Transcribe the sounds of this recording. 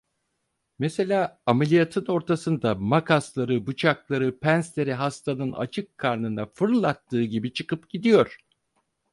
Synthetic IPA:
mese̞lʲaːamelʲijat̪ʰɯno̞ɾt̪ʰasɯnd̪amakʰaslˠaɾɯbut͡ʃʰaklˠaɾɯpʰænslʲe̞ɾiɦast̪ʰanɯna̰t͡ʃʰɯkʰːaɾnɯnd̪afɯɾlˠat̪ːɯːɟibit͡ʃʰɯkɯpɟ̥id̪ijo̞ɾ̝̥

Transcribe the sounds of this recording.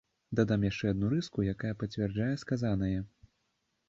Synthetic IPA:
d̪ad̪amjaʂt͡ʂɛad̪̚nuɾɨskujakajɐpɐt͡sʲvʲɛrd͡ʐajɛskazanɐjɛ

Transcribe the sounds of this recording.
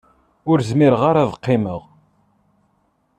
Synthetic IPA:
ʊɾzmɪɾəʁaɾaðqːɪməʁ

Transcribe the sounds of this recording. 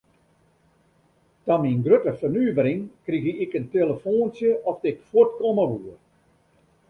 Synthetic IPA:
taminɡrøtəfənyːbəɾɪŋkriɣəɪkənteləfoːnsjəʔɔfdɪkfwortkɔməʋuər

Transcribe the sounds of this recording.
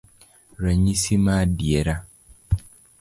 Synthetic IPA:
ɾaɲisimadieɾa

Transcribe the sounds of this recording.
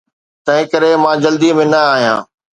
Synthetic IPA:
t̪ɐ̃ɦɪ̃kɐɾemãːd͡ʑɐld̪imẽnɐaːɦijã̰ː

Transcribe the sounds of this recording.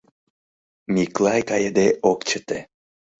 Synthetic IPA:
mʲiklɑjkɑjed̪eʔokt͡ɕət̪e

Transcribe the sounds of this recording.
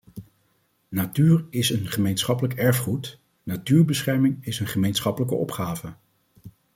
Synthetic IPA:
natyːrɪsənχəmejnsχɑpələkɛɹfχut | natyːɹbəsχɛɹmɪŋɪsənχəmejnsχɑpələkə̰ɔ̰pχaːvə

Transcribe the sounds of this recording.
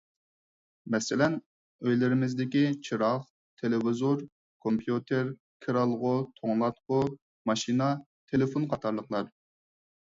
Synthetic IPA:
mɛsɪlɛn | øjlɪɾɪmɪzd̪ɪkʲit͡ʃʰɨɾɑχ | t̪ʰelɪvɪzoɾ | kʰompʰjut̪ʰeɾ | kʰɨɾɑlˠʁʊt̪ʰoŋlˠɑt̪̚qʰʊ | mɑʃinɑ | t̪ʰelɪfonqʰɑt̪ʰɑɾlˠəqlˠɑɾ

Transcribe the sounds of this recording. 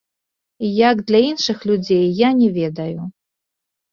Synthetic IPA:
jaɡd̪lʲainʂɨxlʲud͡zʲejːanʲɛvʲɛd̪ɐju

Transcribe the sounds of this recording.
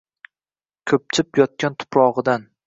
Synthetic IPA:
kʲʰɵp̚t͡ʃʰɪpjɒt̪̚kʲant̪ʰʊ̥pʰɾɒʁɨd̪an

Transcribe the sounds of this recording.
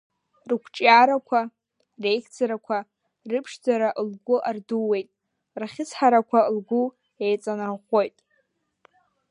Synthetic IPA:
rkʷʰt͡ʃʼaɾakʷʰa | rekʰt͡sʰaɾakʷʰa | rɨpʰʂd͡zaɾaʔlɡʷʊʔarduwe̞jtʼ | rχʲɪt͡sʰħaɾakʷʰalɡʷu | ejt͡sʼanarʁʷojtʼ

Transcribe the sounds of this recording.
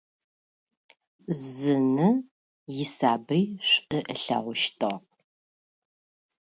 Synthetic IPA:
zɨnɨ | jɪsaːbɨjɕʷɨʔəɬa̰ːwʃtʰʼo

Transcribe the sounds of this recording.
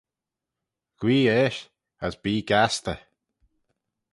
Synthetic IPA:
ɡ̥wiːɛʃ | asb̥iːɡast̪ə

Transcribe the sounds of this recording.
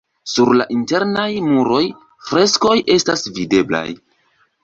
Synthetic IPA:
suɾlaʔinte̞ɾnajmuɾo̞j | fɾe̞sko̞jʔe̞stasvide̞bla̰j

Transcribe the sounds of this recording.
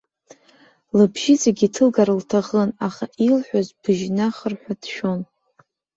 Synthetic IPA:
lɨbʒ̥ɪt͡sʼaɡʲitʰɨlɡaɾɨltʰaʁənaχaʔilħʷᶣazbɨʒnaχərħʷᶣadʃᶣon

